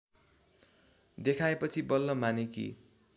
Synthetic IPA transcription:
d̪ekʰaepʌt͡sʰibʌlːʌmanekḭ

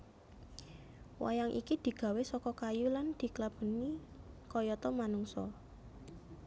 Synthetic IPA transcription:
wa̰jaŋʔḭkid̪̥i̤ɡ̥a̤wesɔkɔkajuland̪̥i̤klab̥ə̤ni | kɔjɔt̪ɔmanuŋsɔ̰

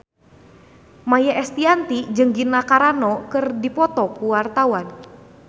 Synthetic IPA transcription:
majaʔɛst̪iant̪id͡ʒɨŋɡinakaɾanɔkɨrdipɔt̪ɔkuwart̪awan

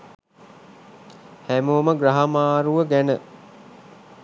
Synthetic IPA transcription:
hæmoːməɡɾaɦamaːɾuʋəɡænə

